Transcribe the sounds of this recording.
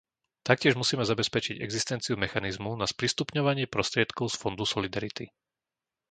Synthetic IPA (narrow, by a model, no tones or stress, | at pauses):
t̪ak̚cɪɛʒmusiːmɛzabɛspɛt͡ʃiɟɛ̰ɡzist̪ɛnt͡siumɛxanizmunaspɾist̪upɲɔʋaɲɪɛpɾɔst̪ɾɪɛt̪kɔʊsfɔnd̪usɔlid̪aɾit̪i